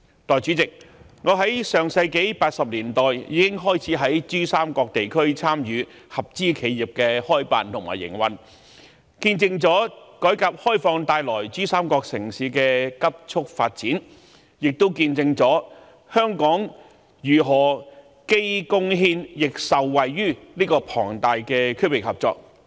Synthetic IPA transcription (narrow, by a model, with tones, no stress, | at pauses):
t̪ɔː˨˩jt͡ʃy˨˥t͡sɪ˨k̚ | ŋɔː˨˧ɦɐ˨˥jsœː˨ŋsɐ˧jke˨˥jpaː˧t̚sɐ˨p̚liː˨˩nt̪ɔː˨jjiː˨˧kɪ˥ŋɦɔː˥jt͡sʰiː˨˥ɦɐ˨˥jt͡ʃyː˥saː˥mkɔː˧k̚t̪e˨jkʰɵ˥ɥt͡sʰaː˥mjyː˨˧ | hɐ˨p̚t͡siː˥kʰe˨˧jji˨˩p̚kɛː˧hɔː˥jpa̰ː˨nt̪ʰʊ˨˩ŋma̰ː˨˩jɪ̰˨˩ŋwɐ̰˨n | kiː˧nt͡sɪ˧ŋt͡sɔː˨˥kɔː˨˥jkaː˨˧p̚hɔː˥jfɔː˧ŋt̪aː˧jlɔː˨˩jt͡ʃyː˥saː˥mkɔː˧k̚sɪ˨˩ŋsiː˨˥kɛː˧kɐ˥p̚t͡sʰʊ˥k̚fa̰ː˧t̚t͡siː˨˥n | jɪ˨k̚t̪o˥wkiː˧nt͡sɪ˧ŋt͡sɔː˨˥ | hœː˥ŋkɔː˨˥ŋ | jyː˨˩ɦɔː˨˩ | ke˥jkʊ˥ŋɦiː˥njɪ˨k̚sɐ˨wwɐ˨jɥyː˥nliː˥kɔː˧pʰɔ̰ː˨˩ŋt̪aː˨˧jkɛː˧kʰɵ˥wɪ˨k̚hɐ˨p̚t͡sɔː˧k̚